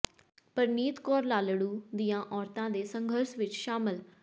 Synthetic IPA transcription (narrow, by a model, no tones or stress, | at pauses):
pəɾniːt̪kɔːɾlaːləɽuːd̪ijãːʔɔːɾt̪ãːd̪eːsəŋɡʱəɾsʋɪt͡ʃʃaːmɪl